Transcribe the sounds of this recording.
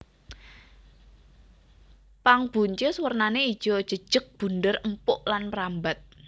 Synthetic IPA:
paŋb̥ṳɲt͡ʃeswərnaneid̥ʒ̥ɔd̥ʒ̥ə̤̥ʒ̥ə̤k̚b̥ṳnd̪ərəmpʊʔlanpəɾambat̪̚

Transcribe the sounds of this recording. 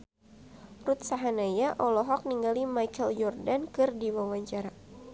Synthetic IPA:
rut̪̚saɦanajaʔɔlɔɦɔk̚niŋɡalimajkɛljɔrdankɨrdiwawaɲt͡ʃaɾa

